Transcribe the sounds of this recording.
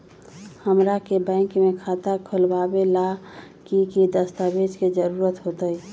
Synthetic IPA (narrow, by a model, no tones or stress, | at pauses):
həmɾakebɛ̃ɪŋkmekʰat̪akʰəlbabela | kikid̪əst̪abed͡ʒked͡ʒəɾuɾət̪ɦot̪əj